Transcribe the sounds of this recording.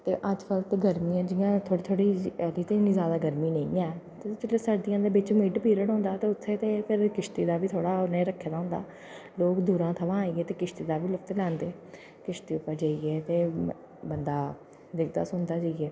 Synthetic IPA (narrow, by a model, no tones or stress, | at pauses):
t̪ḛːʔəd͡ʒkəlt̪ːɡəɾmiːãːd͡ʒɪjãːt̪ʰoːɽiːt̪ʰoːɽiːəliːt̪eniːzjaːd̪aːɡəɾmiːnəĩːɛːt̪et͡ʃɪleːsaɾd̪ɪjãːd̪eːbɪt͡ʃmiːʈpiːɾəɽõːnd̪aːt̪eːʊt̪ʰːeːt̪eːpʰɪɾkɪʃt̪iːd̪aːʋiːt̪ʰoːɽaːʊnẽːɾəkʰːeːd̪aːɦõːnd̪a̰ː | loːkd̪uːɾãːt̪ʰəʋãːaːiːɡeːt̪eːkɪʃt̪iːd̪aːʋiːlʊkt̪lɛːnd̪eː | kɪʃt̪iːʊpːəɾd͡ʒaːiːɡeːt̪eː | bənd̪aː | d̪ɪkʰd̪a̰ːsʊnd̪aːd͡ʒaːiɡɛː